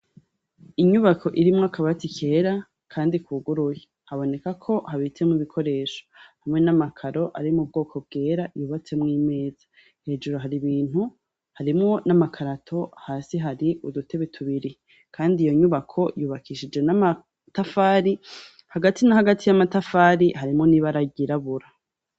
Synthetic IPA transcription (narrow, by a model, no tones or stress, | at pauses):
iɲuβakʰo̞ʔiɾimŋoakaβatikʰe̞ːɾa | kʰaːndikʰuːɡuɾuje | haβo̞ne̞kakʰo̞haβit͡semŋuβikʰo̞ɾe̞ːʃo̥hamŋe̞namakʰaɾo̞ʔaɾimub̚ɡo̞ːkʰo̞b̚ɡe̞ːɾajuːβat͡se̞mŋiːme̞ːz̥ḁ | he̞ːd͡ʒuɾoɦaɾiβiːn̥hu | haɾimŋo̞namakʰaɾatʰo̞haːsiɦaɾiʔudutʰe̞βetʰuβiɾi | kʰaːndijoɲuβakʰo̞juːβakʰiʃid͡ʒe̞nama | tafaːɾi | haɡatʰinahaɡatʰijamatafaːɾiɦaɾimŋo̞niβaɾaɟiɾaβuɾa